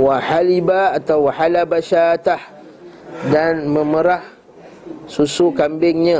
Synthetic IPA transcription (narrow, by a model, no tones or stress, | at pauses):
waħalibaːt̪awaħalabaʃat̪ah | danmə̃məɾah | susukambɪŋɲə̃